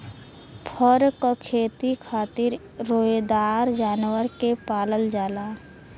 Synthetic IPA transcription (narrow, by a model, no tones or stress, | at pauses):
pʰəɾkokʰeːt̪ikʰaːt̪ɪɾː | oːd̪aːɾd͡ʒaːnwəɾkepaːləld͡ʒaːlaː